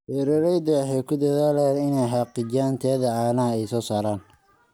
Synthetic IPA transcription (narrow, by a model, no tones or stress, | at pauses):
hɛɾɛɾɛjd̪ɔħɛjkʰʊd̪ɐðaːlɛnɪnɛjħɑqɪd͡ʒaːnt̪ʰɛːðɐʕaːnɐɛjsɔːsaːɾaːn